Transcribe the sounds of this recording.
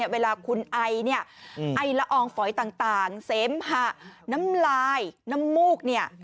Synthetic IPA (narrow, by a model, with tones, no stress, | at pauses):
əweː˧laː˧kʰu˧nʔa˧jni˥˩ɐʔa˧jla˦˥ʔɔː˧ŋfɔ˩˦jt̪aː˨˩ŋt̪aː˨˩ŋseː˩˦mha˧˥na˦˥mlaː˧jna˦˥mːuː˥˩k̚ni˥˩ɐ